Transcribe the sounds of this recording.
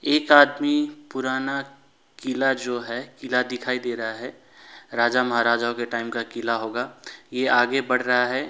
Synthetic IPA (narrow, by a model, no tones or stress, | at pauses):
eːkaːd̪mipʊɾaːna | kɪlad͡ʒoːɦɛkɪlad̪ɪkʰaːid̪eːɾɐɦaɦɛ | ɾaːd͡ʒamɐɦaɾaːd͡ʒaːokeʈaːɪmkakɪlaɦoːɡaːjeaːɡebɐɽ̤ɾɐɦaɦɛ